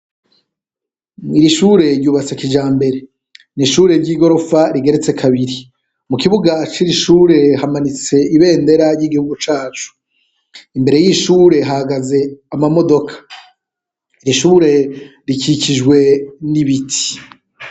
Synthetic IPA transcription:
iɾiʃuːɾe̞ɾjuːβat͡sekid͡ʒaːmbe̞ɾe̞ | niʃuːɾe̞ɾɟiːɡo̞ɾo̞faɾiɡe̞ɾe̞t͡se̞kʰaβiɾi | mukiβuɡat͡ʃiɾiʃuːɾe̞hamanit͡se̞iβe̞ːnde̞ɾaɾjiɡihuɡut͡ʃaːt͡ʃu̥ | imbe̞ɾe̞jiʃuːɾe̞ɦahaɡaze̞amamo̞do̞kʰḁ | iɾiʃuːɾe̞ɾikiciʒɡwe̞niβitʰi̥

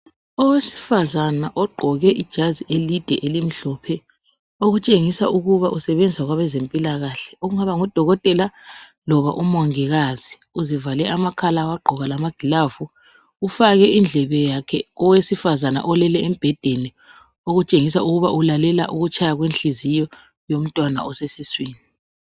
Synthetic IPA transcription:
ɔwesi̥fazanaʔɔɡ͡ǃʱɔɣɛʔid̥ʒ̥ʱaziʔelid̥ʱɛʔelim̩ɬɔpʰɛ | oɣut͡ʃʼeŋisaʔuɣuβaʔusɛβend͡zʱwaɣwaβɛzempʼilaɣaɬɛ̥oɣuŋaβaŋud̥ʱɔɣɔtʼɛla | lɔβa̰ʔumwaŋiɣaz̥i | uzivalɛʔamakʰalawaɡ͡ǃʱɔɣalamaɡ̥ʱilavu | ufaɣɛʔind͡ɮʱɛβɛjakʰɛɣɔwesifazana̰ʔɔlɛlɛem̩b̥ʱɛd̥ʱeni | oɣut͡ʃʼeŋis̬auɣuβaʔulalɛla̰ʔuɣut͡ʃʰʼajaɣwenɬizijɔ | jom̩tʼwana̰ɔsesiswiːni

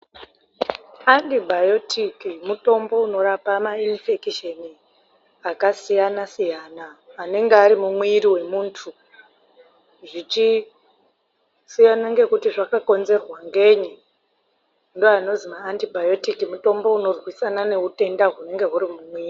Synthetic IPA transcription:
antibʱajo̞tikimuto̞mbo̞uno̞ɾapamainfekiʃeni | akasijanasijanaːne̞ŋɡeaɾimumwiɾiwe̞muːntʰu | ʐit͡ʃi | sijanaŋɡe̞kutiʐakako̞nze̞rwaŋɡe̞ɲi | ndoano̞zimaːntibʱajo̞tikimuto̞mbo̞uno̞rwisanane̞ute̞ndaɦune̞ŋɡe̞ɦuɾimumwiːri

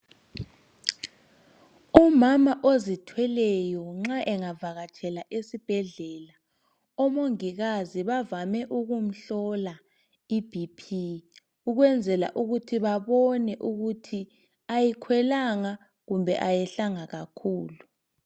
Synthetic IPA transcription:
umamaʔozitʰwɛlɛjɔŋ͡ǁaʔɛŋavaɣat͡ʃʰʼɛlaʔesib̥ʱɛɮɛːla | ɔmoŋiɣaziβavamɛʔuɣum̩ɬɔla | ib̥ʱipʰi | uɣwɛnd͡zʱɛla̰ʔuɣutʰiβaβɔnɛʔuɣutʰi | ajikʰwɛlaŋa | ɣumbʱɛ̰ʔajɛɬaŋaɣakʰuːlu

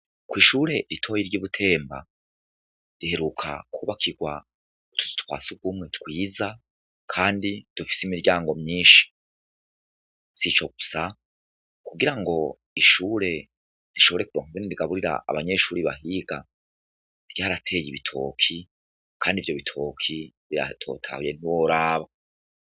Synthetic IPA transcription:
kwiːʃuːɾe̞ɾitʰo̞jiɾjiβutʰe̞ːmba̰ | ɾihe̞ɾukʰa̰kuːβakʰiɡwa | utʰu̥zu̥tkwa̰ːsuɡumŋe̞tkwiːza | kʰaːndid̥ufi̥simiɾɟaːŋɡo̞mɲiːʃi̥ | sit͡ʃo̞ɡusa | kuɡiɾaŋɡo̞ | iʃuːɾe̞ | ɾiʃo̞βo̞ɾe̞kuɾoŋuveniɾiɡaβuɾiɾa̰ʔa̰βaɲe̞ʃuːɾiβaɦiɡa | ɾjaːɾatʰe̞ːjiβitʰo̞̰ːkʰi | kʰaːndivjo̞βitʰo̞ːkʰiβiɾa̰tʰo̰tʰa̰huje̞niwoɾaːβa

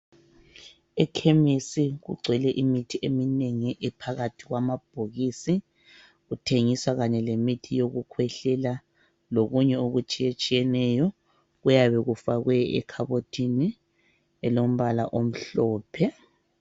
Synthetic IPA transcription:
ɛkʰemisiɣṵɡ͡ǀʱwɛlɛʔimitʰiʔemineŋiʔɛpʰaɣatʰiɣwamab̥ʱoɣisi | ɣutʰeŋiswaɣaɲɛlemitʰijoɣukʰwɛɬɛla | loɣuɲɛoɣut͡ʃʼijet͡ʃʼijɛnɛjɔ | ɣujaβɛɣufaɣwɛɛ̰kʰaβotʰʼini | ɛlom̩βalaʔom̩ɬɔːpʰɛ

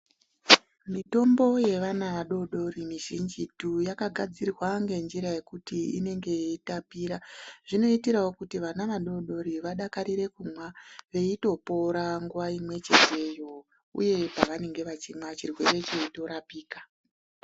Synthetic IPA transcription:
mito̞mbo̞je̞ʋanaʋaɗo̞ɗo̞rimiʒind͡ʒitujakaɡʱad͡zirwaŋɡe̞nd͡ʒiɾaje̞kutiḭne̞ŋɡe̞eitapiːɾaʐ̥ino̞itiɾawo̞kutiʋanaʋaɗo̞ɗo̞ɾiʋaɗakaɾiɾe̞kumwaʋe̞ito̞po̞ɾaŋɡwaimwe̞t͡ʃeze̞jo̞ | ṵje̞paʋane̞ŋɡe̞ʋat͡ʃimwat͡ʃirwe̞re̞t͡ʃe̞ito̞ɾapiːkḁ

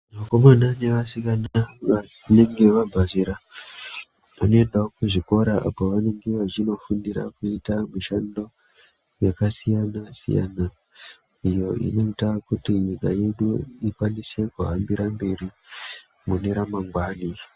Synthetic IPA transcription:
mako̞manane̞ʋasikanaʋa | ne̞ŋɡe̞ʋab͡vaziɾa | ʋano̞e̞ndaokuʐiko̞ɾaʔa̰poʋane̞ŋɡe̞ʋat͡ʃino̞fundiɾa̰kuitamuʃando̞ | jekasijanasḭja̰na | ijo̞ḭneitaakutiɲikaje̞ɗuikwanise̞kuɦambiɾambe̞ɾi | mune̞ɾamaŋɡwaːni

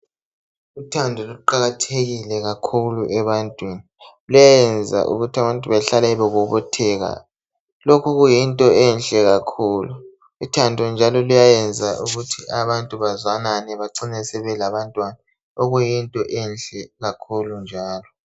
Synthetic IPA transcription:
utʰandʱɔluǃaɣatʰeɣilɛɣakʰuluʔɛβantʼwini | lujajɛnd͡zʱa̰ʔṵɣutʰaβantʼuβaɬalaiβɛɣuβɔtʰɛɣa̰ | lokʰuɣujintʼɔɛnɬʼɛɣakʰuːlu | utʰandʱɔnd͡ʒʱalɔlujajɛnd͡zʱaʔuɣutʰiʔaβantʼuβazwananɛβaǀinɛsɛβɛlaβantʼwana | oɣujintʼɔʔɛnɬɛɣakʰulund͡ʒʱaːlɔ

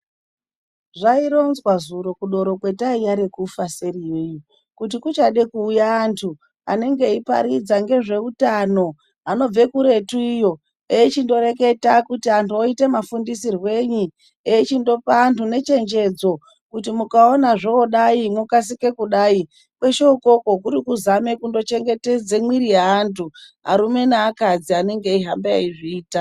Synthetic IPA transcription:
ʐaiɾo̞nzwazuɾo̞kuɗo̞ɾo̞kwe̞taijaɾekufase̞ɾijeju | kut̬ikut͡ʃaɗekuːjaːntʰu | a̰ne̞ŋɡe̞ipa̰ɾid͡zaŋɡe̞ʐe̞utano̞ | ano̞b͡ve̞kuɾe̞tuijo̞ | eit͡ʃindo̞ɾe̞ke̞takutiantuoitemafundisirwe̞ɲi | eit͡ʃindo̞pantune̞t͡ʃe̞nd͡ʒe̞d͡zo̞ | kutimukao̞naʐooɗaimukas̬ike̞kuɗai | kwe̞ʃo̞ko̞ko̞k̬uɾikuzame̞kundo̞t͡ʃe̞ŋɡe̞te̞d͡zemwiɾijaːntʰuɦa̰ɾume̞naːkad͡ziane̞ŋɡe̞iɦambea̰iʐiːta

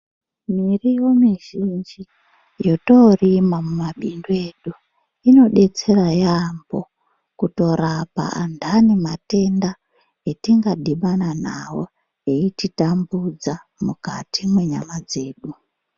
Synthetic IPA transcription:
mirijo̞miʒind͡ʒi | jo̞torimamumaɓindue̞ɗu | ino̞ɗe̞t͡se̞rajambo̞ | kuto̞rapa̰a̰ndʱanimate̞nda | etiŋɡadiɓanana̰wo̰ | eititambud͡za | mukatimwe̞ɲamad͡ze̞ːɗu

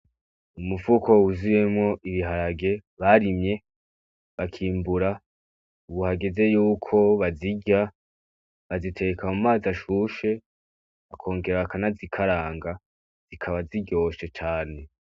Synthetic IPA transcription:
umufuko̞uzuje̞mŋo̞ʔiβiɦaɾaɡe̞βaɾimɲe̞ | βakʰiːmbuɾa | uβuhaɡe̞ze̞juːkʰo̞βaziɟa | βazitʰe̞ekʰamumaːzaʃuʃe̞ | βakʰo̞ːŋɡe̞ɾaakanazikʰaɾaːŋɡa | z̥ikʰaβaziɟo̞ːʃe̞t͡ʃaːne̞

